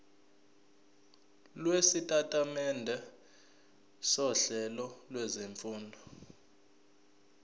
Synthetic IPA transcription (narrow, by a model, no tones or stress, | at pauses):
lwesitʼatʼamɛndʱɛ | sɔɬɛlɔlwɛzeɱfuːndʱɔ